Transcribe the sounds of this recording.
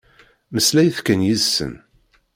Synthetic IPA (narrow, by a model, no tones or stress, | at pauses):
məslæjθkænjizsə̰n